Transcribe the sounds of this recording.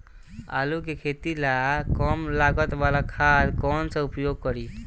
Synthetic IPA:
a̰lukekʰet̪ilakɔmlaɡət̪balakʰad̪kɔnsə̃upjoɡ̚kəɾi

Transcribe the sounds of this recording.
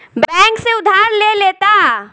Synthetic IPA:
bbɛ̃ːŋkseʊd̪ʱaːɾleleːt̪a

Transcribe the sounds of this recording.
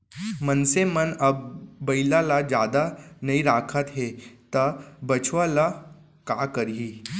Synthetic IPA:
mənsemənəb̚ːɐilalad͡ʒjaːd̪anɐiɾaːkʰət̪ɦet̪əbət͡ʃʋala | kakəɾɦi

